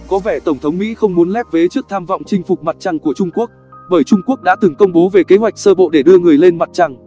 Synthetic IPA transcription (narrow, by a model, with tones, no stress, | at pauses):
kɔ˨˦vɛ˧˩t̪ə˧˩ŋ͡mt̪ʰə˨˦wŋ͡mmḭ˧˥xə˧wŋ͡mmu˨˦ənlɛ˦˥p̚ve˨˦t͡ɕɨ˦˥ək̚t̪ʰaː˧mva̰˧˨wŋ͡mt͡ɕï˧ŋ̟fʊ˨˩k͡p̚ma˨˩t̚t͡ɕa˧ŋku˧˩ət͡ɕʊ˧ŋ͡mku˦˥ək̚ɓəː˧˩jt͡ɕʊ˧ŋ͡mku˦˥ək̚ɗa̰ː˧˥t̪ɨ˨˩ŋkə˧wŋ͡mɓo˨˦ve˨˩ke˨˦ɦwa˨˩jk̟̚səː˧ɓo̰˧˨ɗe˧˩ɗɨ˧əŋɨ˨˩əjle˧nma˨˩t̚t͡ɕa˧ŋ